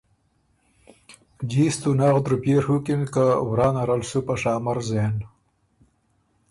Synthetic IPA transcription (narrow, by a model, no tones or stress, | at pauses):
d͡ʑiːst̪unaːʁd̪ɾupeːɾhukinkawɾaːnɐɾalsupaʂaːmɐɾzeːn